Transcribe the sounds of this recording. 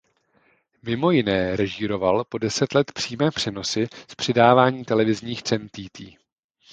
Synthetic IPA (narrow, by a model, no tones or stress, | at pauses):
mɪmo̞jɪnɛːɾɛʒiːɾo̞valpo̞dɛsɛt̪lɛt̪pr̥iːmɛːpr̝̥ɛno̞sɪspr̝̥ɛdaːvaːɲiːt̪ɛlɛvɪzɲiːxt͡sɛnt̪iːt̪ḭː